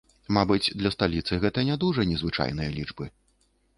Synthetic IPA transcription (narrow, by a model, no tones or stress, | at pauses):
mabɨt͡sʲd̪lʲɐst̪alʲit̪sɨɣɛt̪ɐnʲad̪uʐɐnʲɛzvɨt͡ʂa̰jnɨjɐlʲid͡ʐbɨ